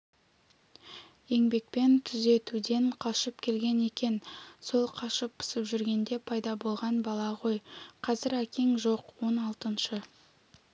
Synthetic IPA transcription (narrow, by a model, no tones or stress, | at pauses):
je̞ŋbe̞k̚pe̞nt̪ʰʏze̞t̪ud̪e̞ɴqʰɑʃəp̚kʲʰe̞lɡʲe̞ne̞kʲe̞nso̞lˠqʰɑʃəpːʊ̥səpʒʏɾɡʲe̞nd̪e̞pʰɑjd̪ɑbo̞lˠʁɑnbɑlˠɑʁo̞jqʰɑzɪɾækʲe̞ŋʒo̞qwo̞nɑlˠt̪ənʃə